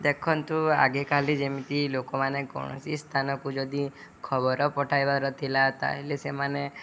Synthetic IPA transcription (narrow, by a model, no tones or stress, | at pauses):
d̪ekʰɔnt̪ua̰ɡekalid͡ʒemit̪ilokɔmanekɔ̰ɽ̃ɔ̰sist̪ʰanɔkud͡ʒɔd̪i | kʰɔbɔɾɔpɔʈʰajbaɾɔt̪ʰilat̪a̰ɦilesemane